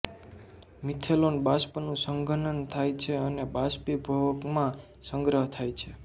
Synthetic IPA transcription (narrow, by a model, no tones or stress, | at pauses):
mit̪ʰelonbaspənũsəŋɡʱənənt̪ʰajt͡ʃʰeənebaspibʱəʋəkmã | sə̃ŋɡɾəɦt̪ʰajt͡ʃʰe